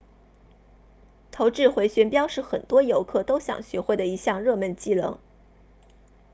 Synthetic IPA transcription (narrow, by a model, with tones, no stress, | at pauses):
t̪ʰo˧˥ʊʈ͡ʂɻ̩˥˩xwe˧˥ɪɕɥɛ˧˥npjɑ˥ʊʂɻ̩˥˩xə˨˩nt̪wɔ˥jo˧˥ʊkʰɤ˥˩t̪o˥ʊɕjɑ̰˨˩ŋɕɥɛ˧˥xwe˥˩ɪd̪ə˩i˧˥ɕjɑ˥˧ŋɻɤ˥˧mə˥˧nt͡ɕi˥˩lɤ̰˧˥ŋ